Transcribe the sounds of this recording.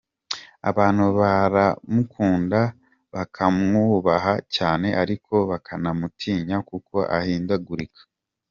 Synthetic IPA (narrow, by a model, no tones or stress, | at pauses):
a̰βaːn̥huβaɾamukʰuːnda | βakʰamŋuːβaɦacaːne̞ʔaɾikʰo̞βakʰanamutʰiːɲakuko̞ʔa̰hiːndaɡuɾikḁ